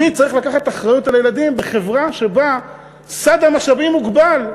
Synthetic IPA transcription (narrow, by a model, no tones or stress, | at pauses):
it͡saʁiχlakaχat̪aχʁajut̪alajelad̪imbeχe̞vʁaʃe̞ba | sad̪hamaχʃavimuɡbal